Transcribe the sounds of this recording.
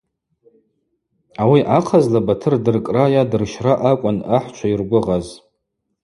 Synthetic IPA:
awiʔaqʰazlabatʰɨrdɨrkʼrajadɨrʃraʔakʷʼʊnaħt͡ʃʷʰairɡʷʊʁaz

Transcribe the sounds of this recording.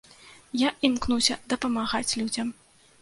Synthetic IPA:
jaʔimkn̪usʲɐd̪ɐpɐmaɣat͡sʲlʲud͡zʲɐm

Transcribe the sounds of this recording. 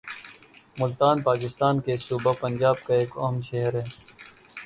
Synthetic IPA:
mʊlt̪aːnpaːkɪst̪aːnkesuːbapɐnd͡ʒaːb̚kaeːkɐɦəmʃeɦəɾɦɛː

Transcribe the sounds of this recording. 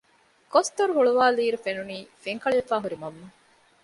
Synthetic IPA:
kost̪oɾuɦuɭuʋaːliːɾufenuniːfeŋkɐɭefaːɦuɾimɐmːu

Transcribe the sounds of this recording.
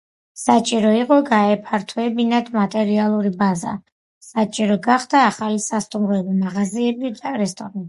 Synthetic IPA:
sat͡ʃʼiɾɔiqʼɔɡaɛpʰaɾt̪ʰwɛbinad̪mat̪ʼɛɾialˠuɾibaza̰ | sat͡ʃʼiɾɔɡaχd̪aːχalisast̪ʼumɾɔɛbimaʁaziɛbid̪aɾɛst̪ʼɔɾa

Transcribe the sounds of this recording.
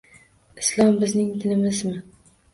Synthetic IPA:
ɪslˠɒmbɪznɪŋd̪ɪnɪmɪzmɪ

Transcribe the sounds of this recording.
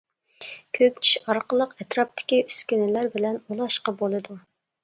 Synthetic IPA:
kʲʰøkʲt͡ʃʰi̥ʃɑɾqəlˠəqɛt̪ɾɑp̚t̪ʰɪ̥kʲiyskʲynɪlæɾbɪlɛnulˠɑʃqɑbolˠɨd̪u

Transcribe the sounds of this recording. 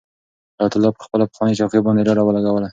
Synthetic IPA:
ɑjat̪ʊlːɑpəxpəlapə̥xwɑnəʃɑwkibɑnd̪eɾɑɾɑwəlaɡawəla

